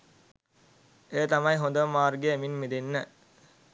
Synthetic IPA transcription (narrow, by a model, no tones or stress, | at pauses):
et̪amɐjɦõnd̪əʋmaːrɡeeminmid̪enːə